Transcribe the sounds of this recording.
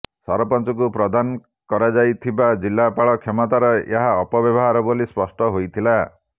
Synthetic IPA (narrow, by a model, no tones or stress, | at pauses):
sɔɾɔpɔnt͡ʃɔk̬upɾɔd̪anɔ | kɔɾad͡ʒajt̪ʰibad͡ʒilːapaɭɔkʰemɔt̪aɾɔḛɦaɔpɔbjɔbɔɦaɾɔbolispɔsʈɔɦojt̪ʰila